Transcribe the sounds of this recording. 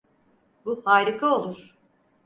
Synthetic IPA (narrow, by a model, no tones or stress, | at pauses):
buhaːɾikʰao̞lˠuɾ̥